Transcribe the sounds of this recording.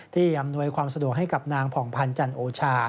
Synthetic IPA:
t̪ʰiː˥˩ʔa˧mnu˧əjkʰwaː˧msa˧du˨˩ək̚ɦa˥˩jka˨˩p̚naː˧ŋpʰɔː˩˦ŋpʰa˧nt͡ɕa˧nʔoː˧t͡ɕʰaː˧

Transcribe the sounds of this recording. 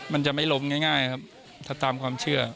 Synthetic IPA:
ma˧nt͡ɕa˨˩ʔma˥˩jlo˦˥mŋaː˥˩jŋaː˥˩jkʰa˦˥p̚ | t̪ʰaː˥˩t̪aː˧mkʰwaː˧mt͡ɕʰɯ˥˩ɐ

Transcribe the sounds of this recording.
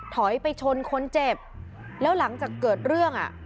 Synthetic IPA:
t̪ʰɔ˩˦jpa˧jt͡ɕʰo˧nkʰo˧nt͡ɕe˨˩p̚ | lɛː˦˥wla˩˦ŋt͡ɕaː˨˩kːɤː˨˩t̪̚ɾɯ˥˩əŋʔa̰˨˩ʔ

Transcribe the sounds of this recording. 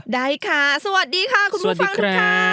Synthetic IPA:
daː˥˩jkʰaː˥˩sa˧wa˨˩t̪̚diː˧kʰaː˧˥˩kʰu˧sn˨a˨˩t̚fdiː˧ŋ˧kʰɾaː˧aː˧

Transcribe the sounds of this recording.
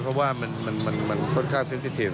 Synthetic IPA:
pʰɾɔ˦˥waː˥˩ma˧nma˧nma˧nma˧nt̪ʰoː˥˩t̪kʰaː˥˩mse˦˥nsi˧˥t̪ʰi˧˩

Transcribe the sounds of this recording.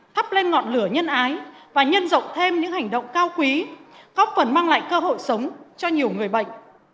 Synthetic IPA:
t̪ʰə˦˥p̚le˧nŋɔ̰˧˨nlɨ˧˩əɲə˧nʔaː˨˦jvaː˨˩ɲə˧nzə̰˧˨wŋ͡mt̪ʰe˧mɲɨ̰˧˥ŋha˨˩jŋ̟ɗə̰˧˨wŋ͡mkaː˧wkwi˨˦ɣɔ˦˥k͡p̚fə˨˩nmaː˧ŋla̰ː˧˨jkəː˧ɦo̰˧˨jsə˨˦wŋ͡mt͡ɕɔ˧ɲi˨˩əwŋɨ˨˩əjɓə̰˧˨jŋ̟

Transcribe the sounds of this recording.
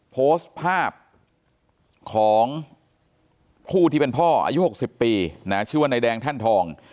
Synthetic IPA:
pʰoː˦˥st̪pʰaː˥˩p̚ | kʰɔː˩˦ŋ | pʰuː˥˩t̪ʰiː˥˩pe˧npʰɔː˥˩ʔa̰ː˧ju˦˥˩ho˨˩k̚si˨˩pːiː˧na˦˥t͡ɕʰːwa˥na˧jdɛː˧ŋt̪ʰa˥˩nt̪ʰɔː˧ŋ

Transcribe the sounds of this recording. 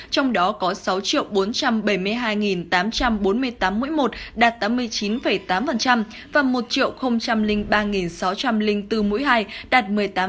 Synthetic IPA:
t͡ɕɔ˧wŋ͡mɗɔ˨˦kɔ˨˦sa˨˦wt͡ɕḭ˧˨ə˨wɓo˨˦nt͡ɕa˧mɓə˧˩jmɨ˧əjɦaː˧jŋi˨˩nt̪aː˨˦mt͡ɕa˧mɓo˨˦nmɨ˧əjt̪aː˨˦mːṵ˧˥jmo˨˩t̚ɗaː˨˩t̚t̪aː˨˦mːɨ˧əjt͡ɕi˨˦nfə˧˩jt̪aː˨˦mfə˨˩nt͡ɕa˧m | vaː˨˩mo˨˩t̚t͡ɕḭ˧˨əwxə˧wŋ͡mt͡ɕa˧mlï˧ŋ̟ɓaː˧ŋi˨˩nsa˨˦wt͡ɕa˧mlï˧ŋt̪ɨ˧mṵ˧˥jɦaː˧jɗaː˨˩t̚mɨ˨˩əjt̪aː˨˦

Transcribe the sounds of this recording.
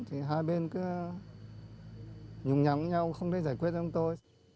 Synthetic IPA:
t̪ʰi˨˩ɦaː˧jɓe˧nkɨ˨˦ | ɲʊ˨˧˩ŋ͡mɲa̰˨˧˩ɲa˧wxə˧wŋ͡mt̪ʰe˧˩zaː˧˩jkwi˦˥ət̚t͡ɕɔ˧wŋ͡mt̪o˧j

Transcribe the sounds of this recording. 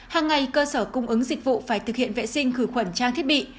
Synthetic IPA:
haː˨˩ŋːa˨˩jkəː˧səː˧˩kʊ˧wŋ͡mʔɨ˨˦ŋzi˨˩k̟̚vṵ˧˨faː˧˩jt̪ʰɨ˨˩k̚hḭ˧˨ənvḛ˧˨sï˧ŋ̟xɨ˧˩xwə˧˩nt͡ɕaː˧ŋt̪ʰə˥ɓḭ˧˨

